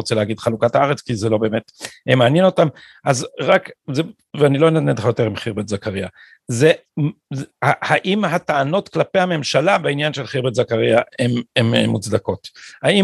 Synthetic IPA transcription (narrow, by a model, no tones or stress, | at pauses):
ot͡seleaɡid̪χalukataaʁet͡skizelo̞be̞ːmetemeːnjeno̞tam | ʔazʁakze | veanilo̞enatnetχajo̞t̪e̞ʁimχiʁbet̪zakaʁia | ze | hahaʔimɦataːno̞tklape̞hame̞mʃalabeinjanʃelχiʁbetzakaʁiaememmut͡sd̪ako̞thaim